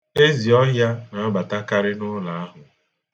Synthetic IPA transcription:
e˦zi˨ɔ˦ɦja˦na˨a˦ɡ͡ba˨ta˦ka˦ɾɪ˦nʊ˦la˨a˦ɦʊ˨

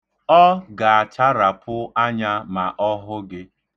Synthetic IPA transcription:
ɔ˦ɡa˨a˨t͡ʃa˦ɾa˨pʊ˦a˦ɲa˦ma˨ʔɔ˦ɦʊ˦ɡɪ˦

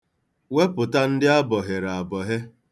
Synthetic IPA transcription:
we˦pʊ˨ta˦n̩˦dɪ˦a˦bɔ˨ɦe˨ɾa˨a˨bɔ˨ɦe˦

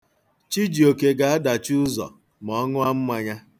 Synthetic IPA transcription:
t͡ʃi˦d͡ʒi˨o˨ke˨ɡa˨a˦da˨t͡ʃu˦zɔ̰˨ | mɔ˦ŋʊ˦a˦m̩˦ma˦ɲa˦

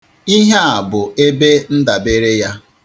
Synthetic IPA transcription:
i˦ɦe˦a˨bʊ˨e˦be˦n̩˦da˨be˦ɾe˦ja˦

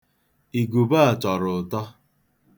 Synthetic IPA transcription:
i˨ɡu˨ba˦a˨t͡ʃɔ˨ɾʊ˨tɔ˦

